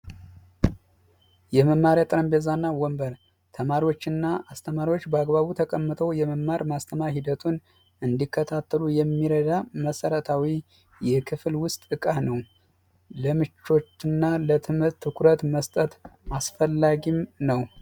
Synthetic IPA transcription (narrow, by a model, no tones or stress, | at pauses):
jɛməmːaɾjat̪ʼɾəmbezanːawɔmbəɾ | t̪ʰəmaɾiwo̞t͡ʃːɨnːaast̪ʰəmaɾiwo̞t͡ʃːbəaɡβaβut̪ʰəkʼəmːɨt̪ʰəwjɛməmːaɾmast̪ʰəmahid̪ət̪ʰun | ɨnd̪ikːət̪ʰat̪ʰːəlujɛmːiɾəd̪aməsəɾət̪ʰawi | jɛkʰɨflwʊst̪ʼɨkʼanəw | ləmɨt͡ʃːo̞t͡ʃːɨnːalət̪ʰɨmhɨɾt̪ʰːɨkʰʊɾət̪məst̪ʼət̪asfəlːaɡimnəw